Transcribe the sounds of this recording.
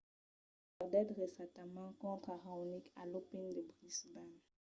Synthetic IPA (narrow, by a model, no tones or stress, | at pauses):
ɔʁd̪ɛd̪ʁesãt̪amɑ̃kɔ̃t̪χaʁanikalopind̪əbʁisban